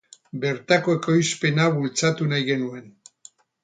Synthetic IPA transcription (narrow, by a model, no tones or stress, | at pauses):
be̞ɾt̪ako̞e̞ko̞jspe̞naβult͡sat̪unajɣe̞nue̞n